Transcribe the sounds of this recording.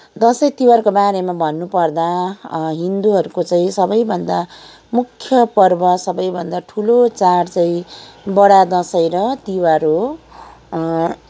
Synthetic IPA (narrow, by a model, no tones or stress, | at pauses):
d̪ʌsʌjt̪iwaɾkobaɾemabʱʌnːupʌrd̪aɦind̪uɦʌɾukot͡saĩsʌbʌjbʱʌnd̪a | mukʰːjʌpʌrbʌsʌbʌjbʱʌnd̪aʈʰulot͡saɽt͡saĩbʌɽad̪ʌsʌjɾʌt̪iwaɾo